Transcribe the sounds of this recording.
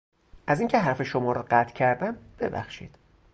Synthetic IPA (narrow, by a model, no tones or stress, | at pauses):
ʔæziŋcʰe̞ɦæɾfe̞ʃomɒːɾɒːɢæt̪ʰcʰæɾd̪æmb̥e̞bæ̰xʃḭːd̪̥